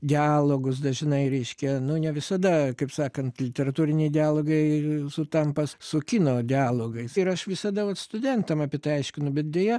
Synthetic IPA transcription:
d̪ʲɪɑːlˠoːɡʊsd̪ɐʒʲɪnɐɪɾʲɛɪʃʲkʲɛnʊnʲɛʋʲɪsɐd̪ɐkɐɪpsɑːkɐnt̪lʲɪt̪ʲɛɾɐt̪uːɾʲɪnʲɛɪdʲɪaːlˠoːɡɐɪsʊt̪ɐmpɐssʊkʲinoːd̪ʲɪɑːlˠoːɡɐɪsɪɾɐʃʋʲɪsɐd̪ɐʋɐt̪st̪ʊdʲɛnt̪ɐmɑpʲɪɛt̪ɐɪɐɪʃʲkʲɪnʊbʲɛt̪̚d̪ʲejɛ

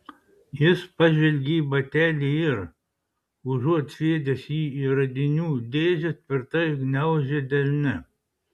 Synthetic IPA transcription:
jɪspɐʒʲʋʲɛlʲɡʲiːbɐt̪ʲæːlʲiɪɾ | ʊʒuɔt̪sʋʲeɛd̪ʲɛsjiːiɾɐd̪ʲɪnʲuːd̪ʲeːzʲɪt̪̚ʲpʲɪɾt̪ɐɡnʲɛʊʒʲed̪ʲɛlʲnʲɪ

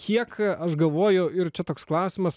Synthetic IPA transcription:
kʰʲiɛkɐʃɡɐlˠʋoːjʊɪɾt͡ʃʲɛt̪oːksklˠɐʊsʲɪmɐs

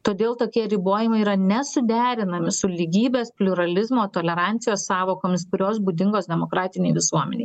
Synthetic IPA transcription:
t̪oːd̪ʲeːlˠt̪oːkʲiɛɾʲɪboːjɪmɐɪiːɾɐnʲɛsʊd̪ʲæːɾʲɪnɐmʲɪsʊlʲiːɡʲiːbʲeːspʲlʲʊɾɐlʲɪzmoːt̪oːlʲɛɾɑnʲt̪sʲɪjoːssɑːʋoːkoːmʲɪspʊɾʲoːsbuːd̪ʲɪŋɡoːsd̪ʲɛmoːkɾɑːt̪ʲɪnʲɛɪʋʲɪsuɔmʲɛ̰nʲɛɪ

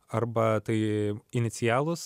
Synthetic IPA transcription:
ɐrbɐt̪ɐɪɪnʲɪt̪sʲɪjæːlˠʊs

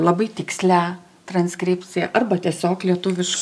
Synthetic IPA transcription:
lˠɐbɐɪt̪ʲɪksʲlʲæ | t̪ɾɐnʲsʲkɾʲɪpʲt͡sʲɪjɛʔɐrbɐt̪ʲiɛsʲoːklʲiɛt̪ʊʋʲɪʃ

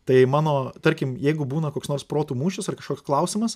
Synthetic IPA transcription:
t̪ɐɪmɑːnoːt̪ɐɾʲkʲɪmjɛɪɡʊbuːnɐkoːksnoːrspɾoːt̪uːmuːʃʲʊsɐrkɐʃkoːksklˠɐʊsʲɪmɐs

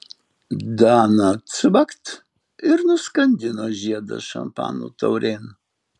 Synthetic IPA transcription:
d̪ɑːnɐsɨbɐkt̪ | ɪɾnʊskɐnʲd̪ʲɪnoːʒʲiɛd̪ɐ̰ʃɐ̰mpɑ̰ːnṵːt̪ɐʊɾʲeːn

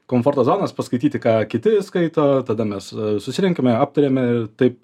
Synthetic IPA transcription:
koːmfoːɾt̪oːzoːnɐspɐskɐɪt̪ʲiːt̪ʲɪkɑːkʲɪt̪ʲɪskɐɪt̪oːt̪ɐd̪ɐmʲɛssʊsʲɪɾʲɛŋʲkʲɛmʲɛaːp̚t̪ɐɾʲeːmʲɛɪrt̪ɐɪp̚

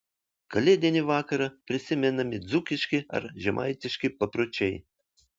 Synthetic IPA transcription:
kɐlʲed̪ʲɛnʲɪʋɑːkɐɾɐpʲɾʲɪsʲɪmʲɛnɐmʲɪd̪zukʲɪʃʲkʲɪɐ̰ɾʒʲɛmʔɑ̰jt̪ʲɪʃʲkʲɪpɐpɾot͡ʃʲɛj

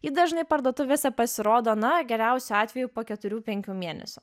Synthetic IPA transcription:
jiːd̪ɐʒnɐɪpɐɾd̪oːt̪ʊʋʲeːsʲɛpɐsʲɪɾoːd̪oːnɐɡʲɛɾʲɛʊsʲʊɑːt̪ʲʋʲɛjupoːkʲɛt̪ʊɾʲuːpʲɛŋʲkʲuːmʲiɛnʲɛ̰sʲʊ

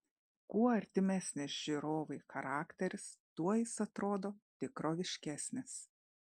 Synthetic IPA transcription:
kuɔɐɾʲt̪ʲɪmʲæsʲnʲɪsʒʲiɾoːʋɐɪxɐɾɑːkt̪ʲɛɾʲɪst̪uɔjɪsɐt̪ɾoːd̪oːt̪ʲɪkɾoːʋʲɪʃʲkʲæːsʲnʲɪs

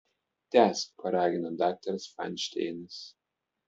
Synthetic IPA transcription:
t̪ʲæspʰɐɾaːɡʲɪnɐd̪aːk̚t̪ɐɾsfa̰nʲʃt̪ʲḛːnɨs

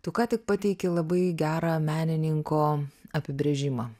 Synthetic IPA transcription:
t̪ʊkɑːt̪ʲɪk̚pɑt̪ʲɛɪkʲɪlˠɐbɐɪɡʲæːɾɑːmʲæːnʲɪnʲɪŋkoːɐpʲɪbʲɾʲeʒʲɪmɑː

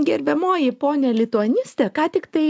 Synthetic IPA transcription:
ɡʲɛɾʲbʲɛmoːjɪpoːnʲɛːlʲɪt̪ʊɐnʲɪsʲt̪ʲɛːkɑːt̪ʲɪkt̪ɐɪ

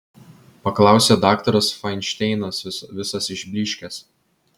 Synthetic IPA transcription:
pɐklˠɑˑʊsʲed̪ɑːkt̪ɐɾɐsfɐɪnʲʃʲt̪ʲɛɪnɐsʲɪsʋʲɪsɐsɪʒʲbʲlʲiːʃʲkʲɛs

